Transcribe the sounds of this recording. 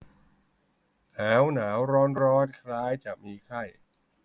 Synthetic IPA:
naː˩˦˥wnaː˩˦wɾɔː˦˥nɾɔː˦˥nkʰlaː˦˥jt͡ɕaː˨˩k̚miː˧kʰa˥˩j

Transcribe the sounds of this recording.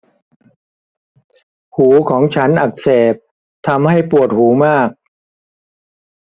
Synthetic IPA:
huː˩˦kʰɔː˩˦ŋt͡ɕʰa˦˥nʔa˨˩k̚seː˨˩p̚ | t̪ʰa˧mha˥˩jpu˨˩ət̪̚huː˩˦maː˥˩k̚

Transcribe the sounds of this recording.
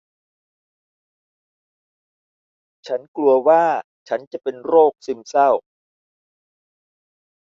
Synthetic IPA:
t͡ɕʰa˦˥nklu˧ɐwaː˥˩ | t͡ɕʰa˦˥nt͡ɕa˨˩pe˧nɾoː˥˩k̚si˧msa˥˩w

